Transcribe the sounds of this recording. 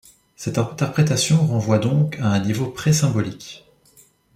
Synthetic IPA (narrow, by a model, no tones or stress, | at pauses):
sɛt̪ɛ̃t̪ɛʁpχet̪asjɔ̃ʁɑ̃vwad̪ɔ̃kʰaɛ̃nivopχɛsɛ̃bɔlik